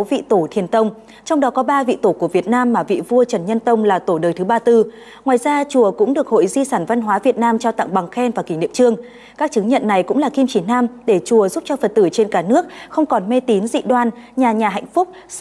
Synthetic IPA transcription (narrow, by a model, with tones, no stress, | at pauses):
vḭ˧˨t̪o˧˩t̪ʰi˨˩ənt̪ə˧wŋ͡m | t͡ɕɔ˧wŋ͡mɗɔ˨˦kɔ˨˦ɓaː˧vḭ˧˨t̪o˧˩ku˧˩əvi˨˩ət̚naː˧mːaː˨˩vḭ˧˨vu˧ət͡ɕə˨˩nɲə˧nt̪ə˧wŋ͡mlaː˨˩t̪o˧˩ɗəː˨˩jt̪ɨ˨˦ɓaː˧t̪ɨ˧ | ŋwaː˨˩jzaː˧t͡ɕu˨˩əkʊ̰˧˥ŋ͡mɗɨ˨˩ək̚ho̰˧˨jzi˧saː˧˩nva˧nɦwaː˨˦vi˨˩ət̚naː˧mt͡ɕɔ˧wt̪a̰˧˨ŋɓa˨˩ŋxɛ˧nvaː˨˩ki˧˩ŋnɗḭ˧˨əmt͡ɕɨ˧əŋ | kaː˦˥k̚t͡ɕɨ˨˦ŋɲə̰˧˨nːa˨˩jkʊ̰˧˥ŋ͡mlaː˨˩ki˧mt͡ɕi˧˩naː˧mɗe˧˩t͡ɕu˨˩əzu˦˥p̚t͡ɕɔ˧fə˨˩t̚t̪ɨ˧˩t͡ɕe˧nkaː˧˩nɨ˦˥ək̚xə˧wŋ͡mkɔ˨˩nme˧t̪i˨˦nzḭ˧˨ɗwaː˧nɲaː˨˩ɲaː˨˩ɦa̰˧˨jŋ̟fʊ˦˥k͡p̚